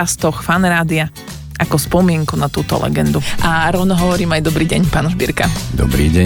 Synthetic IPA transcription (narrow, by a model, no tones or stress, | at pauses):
ast̪ɔxfanɾaːd̪ia | ʔakɔspɔmɪɛŋkunat̪uːt̪ɔ̰lɛ̰ɡɛnd̪uʔaɾɔʊnɔɦɔʋɔɾiːmajd̪ɔbɾiːɟɛɲpaːnʒbḭɾkad̪ɔ̰bɾḭːɟɛ